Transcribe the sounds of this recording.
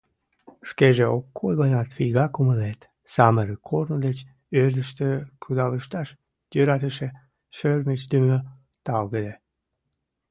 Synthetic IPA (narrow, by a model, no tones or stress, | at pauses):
ʃkeʒeokːojɣənɑt̪βijɣɑkuməlet̪ | sɑməɾəkʰornod̪et͡ɕ | øɾd̪əʃt̪əkʰud̪ɑləʃt̪ɑʃ | jøɾɑt̪əʃe | ʃørmet͡ɕd̪ymø | t̪ɑlɣəd̪e